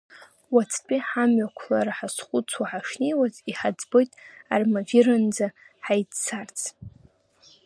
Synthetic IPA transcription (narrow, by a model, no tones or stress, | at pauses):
wat͡sʰt͡pʼiħamɥakʷʰlaɾaħasχʷut͡sʰwaħaʂnejwaziħad͡zbojtʼarmavirand͡za | ħajdsʰart͡sʰ